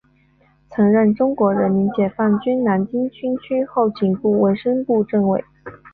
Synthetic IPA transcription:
t͡sʰɤ˧˥ŋɻə˥˩nʈ͡ʂʊ˥ŋkwɔ˧˥ɻə˧˥nmi˧˥nt͡ɕjɛ˨˩fa˥˩nt͡ɕy˥nna˧˥nt͡ɕi˥ŋt͡ɕʰy˥nt͡ɕʰy˥xo˥˩ʊt͡ɕi˨˩ŋku˥˩we˧˥ɪʂə˥ŋpu˥˧ʈ͡ʂɤ˥˩ŋwe˧˩˦ɪ

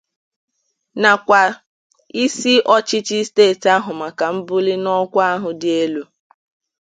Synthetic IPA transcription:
na˨kʷa˨ | i˦si˦ʔɔ˦t͡ʃɪ˦t͡ʃɪ˦steː˦˨ta˦ɦʊ˨ma˨ka˨m̩˦bʊ˦li˦nɔ˦kʷa˦ɦʊ˨dɪ˨˦e˦lu˦

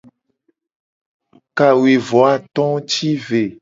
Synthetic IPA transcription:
ka˨wi˨vɔ˨a˨t̪ɔ̃˦t͡ʃi˦ve˨

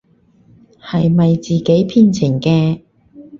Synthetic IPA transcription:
hɐ˨jmɐ˨jt͡siː˨ke˨˥jpʰiː˧nt͡sʰɪ˨˩ŋkɛː˧

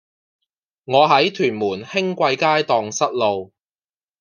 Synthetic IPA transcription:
ŋɔː˨˧ɦɐ˨˥jt̪ʰyː˨˩nmuː˨˩nhɪ˥ŋkʷɐ˧jkaː˥jt̪ɔː˧ŋsɐ˥t̚lo˨w

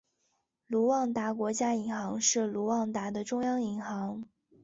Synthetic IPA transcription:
lu˧˥wɑ˥˩ŋt̪a˧˥kwɔ˧˥t͡ɕja˥i˧˥ŋxɑ˧˥ŋʂɻ̩˥˩lu˧˥wɑ˥˩ŋt̪a˧˥d̪ə˨ʈ͡ʂʊ˥ŋjɑ˥ŋi˧˥ŋxɑ˧˥ŋ

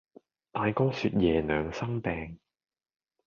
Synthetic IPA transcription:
t̪aː˧jkɔː˥syː˧t̚jɛː˨˩nœː˨˧ŋsɐ˥ŋpɛː˨˧ŋ

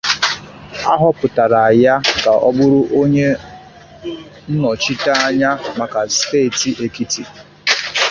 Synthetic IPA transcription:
a˦ɦɔ˦pʊ˨ta˨ɾa˨a˨ja˦ka˨ʔɔ˦bʊ˦ɾʊ˦ʔo˦ɲe˦ | n̩˦nɔ˨t͡ʃi˦ta˦a˦ɲa˦ma˨ka˨steː˦˨ti˨ʔe˨ki˦ti˨

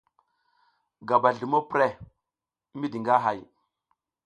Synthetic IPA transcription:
ɡa˨ba˨ɮu˨mo˦pɾe˦˨˦ | mi˦di˨ŋɡa˦ɦa˨j

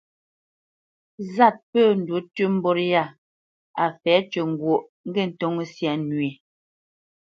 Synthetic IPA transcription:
za˦˨t̚pəː˦˨n̩˨du˨˦tʉ˦m̩˦bɔ˦ɾja˦˨ | a˨fɛː˨˦t͡ʃə˨ŋ˨ɡwo˨ʔ | ŋ̩˦ɡɛ˦˨n̩˨to˦ŋ˦sja˨nɥe˨

